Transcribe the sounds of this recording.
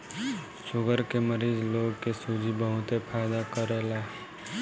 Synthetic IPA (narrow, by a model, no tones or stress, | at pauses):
ʃʊɡəɾkeməɾiːzloːɡkesud͡ʒʱibəɦʊt̪epʰaːɪd̪akəɾeːlaː